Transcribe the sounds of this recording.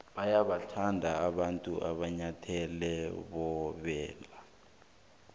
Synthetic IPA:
ɓajaɓatʰandʱaːɓantʼuʔa̰ɓaɲatʰɛlɛɓɔɓɛːla

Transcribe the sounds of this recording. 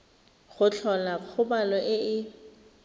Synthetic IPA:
χʊt͡ɬʰɔlak͡xʰʊbalɔʔɪɪ

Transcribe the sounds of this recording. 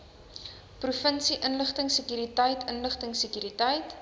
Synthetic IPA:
prufənsiʔənləχtəŋsəkyːɾitəjtʰənləχtəŋsəkyːɾitəjt

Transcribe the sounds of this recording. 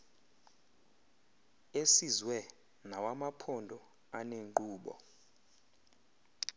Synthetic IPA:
esizwɛ | nawamapʰɔndʱɔ | aneŋǃuːɓɔ̰

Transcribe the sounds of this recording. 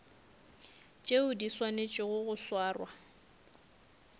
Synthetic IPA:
t͡ʃʼeʊdiswanet͡ʃʼɪɣʊɣʊswaːrwa

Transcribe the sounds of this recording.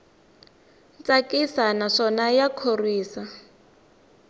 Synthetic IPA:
t͡sʼakʼisanaʂɔnajakʰoriːsa

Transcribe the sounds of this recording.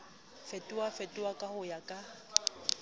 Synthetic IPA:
fetʼuwafetʼuwakʼahʊjakʼa

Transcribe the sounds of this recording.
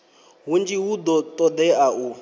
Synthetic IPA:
ɦund͡ʒiɦud̪ɔt̪ʼɔd̪ɛaʔu

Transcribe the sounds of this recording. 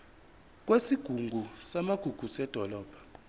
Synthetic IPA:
k̬ʼwesiɡ̥ʱuŋɡʱusamaɡ̥ʱuɡ̥ʱusɛd̥ʱɔlɔːb̥ʱḁ

